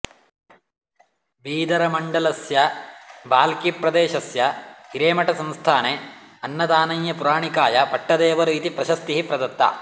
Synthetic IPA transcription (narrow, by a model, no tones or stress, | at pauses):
biːd̪ɐɾɐmɐɳɖɐlɐsjɐbaːlkipɾɐd̪eːʃɐsjɐhiɾeːmɐʈɐsɐmst̪ʰaːne | ɐnːɐd̪aːnɐjjɐpuɾaːɳikaːjɐpɐʈːɐd̪eːʋɐɾuit̪ipɾɐʃɐst̪iɦipɾɐd̪ɐt̪ːɐ̰